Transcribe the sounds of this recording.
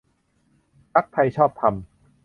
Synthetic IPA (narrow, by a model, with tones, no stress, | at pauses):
pʰa˦˥k̚p̪ʰa˧jt͡ɕʰɔː˥˩p̚t̪ʰa˧m